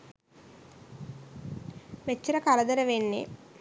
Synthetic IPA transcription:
met͡ʃːiɾɐkalɐd̪ɐɾɐʋenːḛ

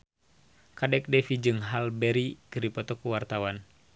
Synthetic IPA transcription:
kadɛk̚dɛfid͡ʒɨŋɦalbɛɾikəripɔt̪ɔkuwart̪awan

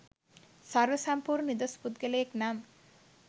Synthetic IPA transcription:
sɐrʋəsɐmpuːɾnid̪ospud̪ɡelejeknam

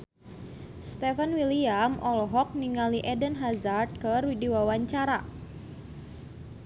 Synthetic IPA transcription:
st̪ɛfanwiliamʔɔlɔɦɔk̚niŋaliʔɛdənɦazart̪̚kərwidiwawaɲt͡ʃaɾa

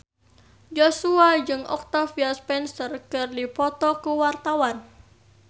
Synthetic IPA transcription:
d͡ʒosuad͡ʒɨŋʔɔ̰k̚t̪afiaspɛnsərkɨrdipɔt̪ɔkəwart̪awan

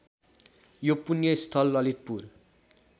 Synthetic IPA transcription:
jopunjʌist̪ʰʌlːʌlit̪̚pur

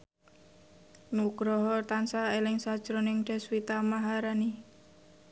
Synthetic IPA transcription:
nuɡ̥ɾɔɦɔt̪ansaelɪŋsad̥ʒ̥ɾonɪŋɖ̪̥ɛ̤swit̪amaɦaɾani

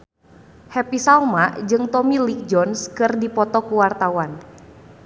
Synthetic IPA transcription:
hɛpisalmad͡ʒɨŋt̪ɔmilik̚d͡ʒɔnskɨrdipɔt̪ɔkuwart̪awan

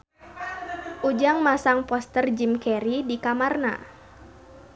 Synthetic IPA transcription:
ʔud͡ʒaŋmasaŋpɔst̪ərd͡ʒimkɛɾidikamarna̰

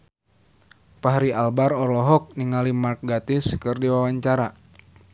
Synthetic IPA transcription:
paɦaɾialbaɾɔlɔɦɔk̚niŋalimark̚ɡat̪ɪskɨrdiwawaɲt͡ʃaɾa

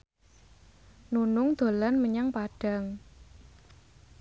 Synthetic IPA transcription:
nunʊŋd̪̥o̤lanməɲaŋpaɖ̥a̤ŋ

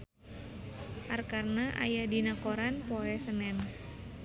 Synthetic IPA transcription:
ʔarkarnaʔa̰jadinakoɾanpoɛsənɛn

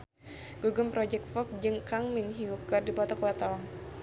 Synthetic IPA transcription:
ɡ̥uɡʊmpɾɔd͡ʒɛk̚t̪fɔk̚d͡ʒɨŋkaŋminɦiukardipɔt̪ɔkuwat̪awɔŋ

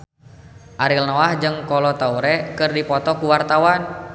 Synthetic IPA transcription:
ʔaɾilnɔahd͡ʒɨŋkɔlɔt̪auɾɛkɨrdipɔt̪ɔkuwart̪awan

